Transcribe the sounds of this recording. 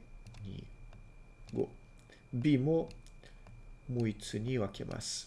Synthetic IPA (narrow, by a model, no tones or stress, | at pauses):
ɲḭ | ɡo̰ | bʲimo | moit͡sɨɲ̟iβakʰe̞̰mʔa̰sɨ̥